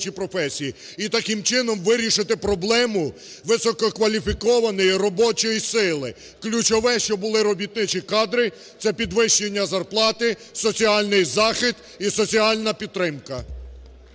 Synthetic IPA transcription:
t͡ʃipɾɔfɛsʲiji | it̪ɐkɪmt͡ʃɪnɔmʋɪɾʲiʃɪt̪ɪpɾɔblˠɛmʊ | ʋɪsɔkɔkʋɐlʲifʲikɔʋɐnɔjirɔbɔt͡ʃɔjisɪlˠɪ | klʲut͡ʃɔʋɛʃt͡ʃɔbʊlˠɪɾɔbʲit̪̚nɪt͡ʃikɑd̪ɾɪ | t̪sɛpʲid̪ʋɪʃt͡ʃenʲːɐzɐrplˠɑt̪ɪsɔt͡sʲiɑlʲnɪjzɑxɪsd̪ | isɔt͡sʲiɑlʲnɐpʲid̪̚t̪ːɾɪmkɐ

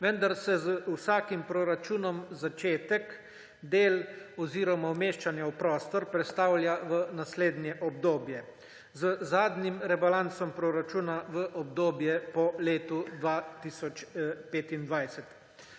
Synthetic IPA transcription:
ʋənd̪aɾsɛzəusaːkimpɾoɾat͡ʃuːnɔmzat͡ʃeːt̪ɛk | d̪eːlɔziːɾɔmawmeːʃt͡ʃanjawpɾɔːst̪ɔɾpɾɛt̪st̪aːwlʲjaʋənasleːd̪njɛʔɔbd̪oːbjɛ | zəzaːd̪nimɾɛbalant̪sɔmpɾoɾat͡ʃuːnaʋəʔɔbd̪oːbjɛpɔleːt̪ud̪ʋat̪iːsɔt͡ʃpeːt̪ind̪ʋajsɛt̪

